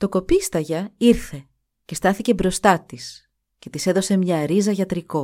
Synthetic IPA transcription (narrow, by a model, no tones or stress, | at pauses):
t̪o̞ko̞pist̪ɐʝɐiɾθe̞ | ce̞st̪ɐθice̞bɾo̞st̪ɐt̪is | ce̞t̪ise̞ðo̞se̞mɲɐɾizɐʝɐt̪ɾiko̞